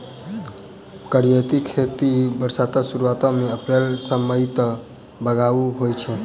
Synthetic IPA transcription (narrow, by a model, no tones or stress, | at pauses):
kəɾijət̪ikʰet̪ibəɾsat̪əsuɾuat̪ɔmeəpɾelsəməjt̪ə | bəɡauɦojt͡ʃʰɛ